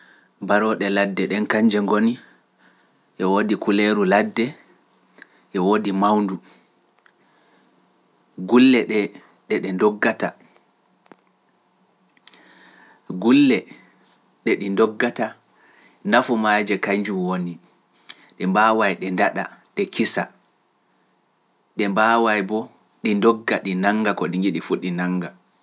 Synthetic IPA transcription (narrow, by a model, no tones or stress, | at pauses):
baɾɔɗɛladːɛɗɛnkaɲd͡ʒɛŋɡoni | ʔɛwodikuleɾuladːɛ | ʔɛwodimawndu | ɡulːɛɗɛ | ɗɛɗɛndɔɡːata | ɡulːɛ | ɗɛɗindɔɡːata | nafumaːd͡ʒɛkaɲd͡ʒumwoni | ɗɛmbaːwajɗɛndaɗa̰ɗɛkisa | ɗɛmbawajbɔ | ɗindɔɡːaɗinaŋɡakɔɗiŋɡiɗifuɗinaŋɡa